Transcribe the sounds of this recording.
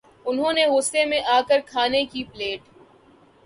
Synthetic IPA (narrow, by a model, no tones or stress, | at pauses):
ʊnɦõːneɣʊsemẽʔaːkəɾkʰaːnekipleːʈ